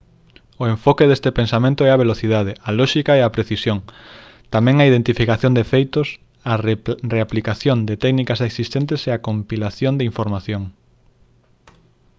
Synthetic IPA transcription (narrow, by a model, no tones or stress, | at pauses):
oeɱfokeðest̪epensamẽnt̪oɛaβeloθið̞að̞ɪɐlɔʃikaɛɐpɾeθisjoŋ | t̪amɛ̃ŋɐiðent̪ifikaθjõnd̪efejt̪ʊs | ɐreaplikaθjond̪ɪt̪ɛknikaseksist̪ent̪eseakompilaθjond̪ɪiɱfoɾmaθjoŋ